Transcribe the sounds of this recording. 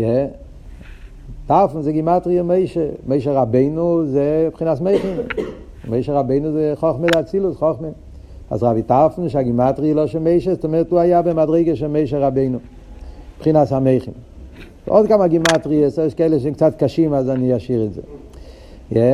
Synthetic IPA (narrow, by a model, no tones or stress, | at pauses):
jɛ | taʁfn̩zeɪɡɪmatʁiəmeɪʃemeɪʃ̬əʁabeɪnuzepχinasmeɪχɪm | meɪʃəʁabeɪnuzeɪχɔχmədɪat͡silˠʊsχɔχmə | a̰sʁavitaʁfn̩ʃ̬aɡɪmatʁiəlˠɔʃɛmeɪʃestɛmɛtuːajabemadʁeɪɡəʃɛmeɪʃ̬ɛʁabeɪnu | pχinashameɪχɪm | ɔ̰tkamaɡɪmatʁiəseɪʃkɛlˠəʃzekt͡satkaʃimazaniaʃiʁɪzḛ | jɛ